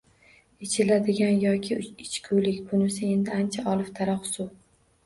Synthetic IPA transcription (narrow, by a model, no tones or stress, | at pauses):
et͡ʃʰɪlad̪ɪɡʲanjɒkʲʰɪɪt͡ʃkʲʰʊjlɪkʲbʊnɪsɪe̞nd̪ɪant͡ʃʰaʔɒlˠɪft̪ʰaɾɒqsʊ